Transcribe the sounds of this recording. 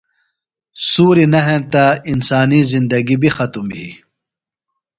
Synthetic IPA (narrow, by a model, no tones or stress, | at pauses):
suːɾinɐɦemt̪ainsaːnizind̪ɐɡibixɐt̪umɦḭ